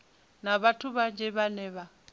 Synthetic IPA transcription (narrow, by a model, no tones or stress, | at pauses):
naβatʰuβand͡ʒʱɛβanɛːβa